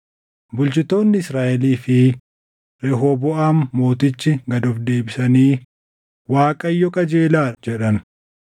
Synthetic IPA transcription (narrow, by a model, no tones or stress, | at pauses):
bʊlt͡ʃɪt̪o̞ːnːɪɪsɾaːʔɛliːfɪ | ɾɛɦobɔʔaːmːo̞ːt̪ɪt͡ʃːɪɡɐd̪ɔfd̪e̞ːbɪsɐniː | waːkʼɐjːɔkʼɐd͡ʒeːlaːd͡ʒɛᶑɐn